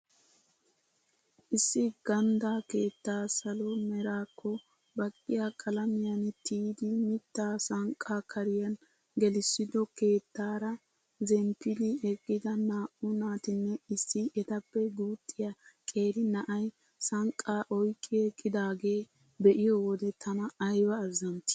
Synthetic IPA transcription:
ʔɪsːɪɡ̥ɐnd̪aːke̞ːt̪ːaːsɐlɔmɛɾaːkʰːɔ | bɐkʼːɪjakʼɐlɐmɪjɐnt̪iːd̪ɪmɪt̪ːaːsɐŋkʼːakʰɐɾɪjɐn | ɡɛlɪsːɪd̪ɔke̞ːt̪ːaːɾɐ | zɛmpːɪd̪ɪɛkʼːɪd̪ɐnaːʔʊnaːt̪ɪnːɛɪsːɪɛt̪ɐpːɛɡuːt̪ʼːɪjakʼe̞ːɾɪnɐʔɐj | sɐŋkʼːaːʔɔjkʼːɪɛkʼːɪd̪aːɡe̞ː | bɛʔɪjɔwɔd̪ɛt̪ʰɐnɐːjwɐːzːɐmt̪ɪ̥

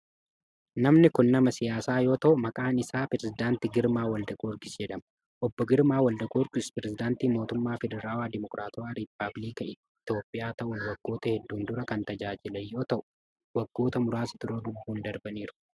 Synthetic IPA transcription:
nɐmnɪkʊnːɐmɐsɪjaːsaːjo̞ːt̪ɐʔʊmɐkʼaːnɪsaːpɪɾɛzɪd̪aːnt̪ɪɡɪɾmaːwɐld̪ɐɡoːɾɡɪsd͡ʒɛᶑ̪ɐmɐ | ʔɔbːɔɡɪɾmaːwɐld̪ɐɡoɾɡɪspɾɛzɪd̪aːnt̪iːmo̞ːt̪ʊmːaːfɛd̪ɛɾaːwaːd̪ɪmɔkɾʔaːt̪ʊaːɾɪpːɐblikɐɪ | t̪o̞ːpʼːɪjaːt̪ɐʔʊnwɐɡːo̞ːt̪ɐhɛd̪ːuːnd̪ʊɾɐkɐnt̪ɐd͡ʒaːd͡ʒɪlɐjːo̞ːt̪ɐʔʊ̥ | wɐɡːo̞ːt̪ɐmʊɾaːsɪt̪ʊɾoːd̪ʊbːuːnd̪ɐɾbɐniːɾʊ̥

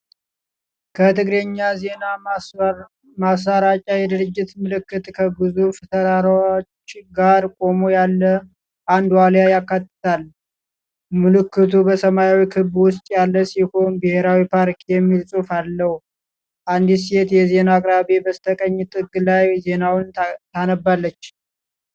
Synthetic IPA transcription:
kʰət̪ʰɨɡɾeɲːazena | masaɾat͡ʃʼajɛd̪ɨɾɨd͡ʒːɪt̪mɨlɨkːɨt̪ʼkʰəbɨzuft̪ʰəɾaɾot͡ʃːɡaɾkʼo̞mojalːə | ʔand̪waljajakːat̪ːɨ̥t̪ʰal | mɨlɨkːɨt̪ʰubəsəmajawikʰɨbwʊst̪ʼjalːəsiho̞nbɨhe̞ɾawipʰaɾkʰijɛmːilsʼufalːəhu | ʔand̪is̬e̞t̪jɛze̞nakʼɾaβebəst̪ʰəkʼəɲːt̪ʼɨɡlajze̞nawnt̪ʰanəbalːət͡ʃː

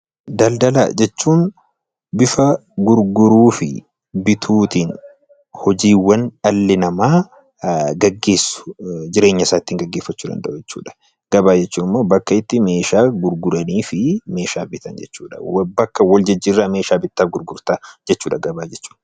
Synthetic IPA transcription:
d̪ɐld̪ɐla̰d͡ʒɛt͡ʃːuːn | bɪfɐɡʊɾɡʊɾuːfɪ̰ | bɪt̪ʰuːt̪iːn | hɔd͡ʒiːwɐnɐlːɪnɐmaː | ɡɐɡːe̞ːsːʊ̥d͡ʒɪɾe̞ːɲːɐsaːt̪ːiːŋɡɐɡːeːfːɐt͡ʃːuːd̪ɐ̰nd̪ɐ̰ʔʊd͡ʒɛt͡ʃːṵːᶑɐ̥ | ɡ̥ɐbaːd͡ʒɛt͡ʃːuːnɪmːoːbɐkːɐɪt̪ːɪme̞ːʃaːɡʊɾɡʊɾɐniːfɪme̞ːʃaːbɪt̪ɐnd͡ʒɛt͡ʃːuːᶑɐbɐkːɐwɔld͡ʒɐd͡ʒːirːaːme̞ːʃaːbɪt̪ːaːfɡʊɾɡʊɾt̪ad͡ʒɛt͡ʃːuːᶑɐɡɐbaːd͡ʒɛt͡ʃːu̥ːn

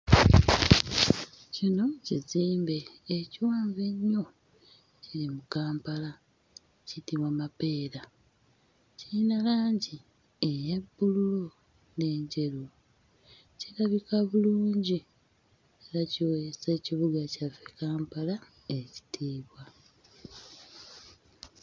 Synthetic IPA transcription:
cino̞ciziːmbe̞ːciwaːɱve̞ɲːo̞ | ciɾimukaːmpala | citiβwamape̞ːɾa | ciinalaːɲɟi | ejebːululu | ne̞ːɲɟe̞ɾu | ciɾaβikaβuluːɲɟi | eɾaciwese̞ːciβuɡacavekaːmpala | eci̥tʰiːβwa

